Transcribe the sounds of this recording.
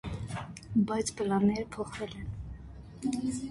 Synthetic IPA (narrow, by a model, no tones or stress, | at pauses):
bɑjt͡sʰpəlɑnːɛɾəpʰɔχvɛlɛn